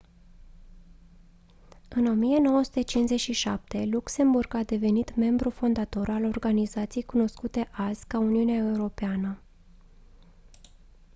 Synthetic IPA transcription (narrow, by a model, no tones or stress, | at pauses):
ɨno̞mije̞no̞wəsu̥t̪et͡ʃinze̞t͡ʃʲʃiʃa̰p̚t̪e̞lukse̞mburɡad̪e̞ve̞nit̪me̞mbɾufo̞nd̪at̪o̞ɾalo̞rɡanizat̪sijejkuno̞skut̪e̞ʔazʲkauniuneae̞uɾo̞peanə